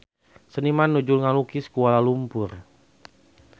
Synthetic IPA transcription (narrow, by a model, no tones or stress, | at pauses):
sənimanːud͡ʒulŋalukiskualalumpʊr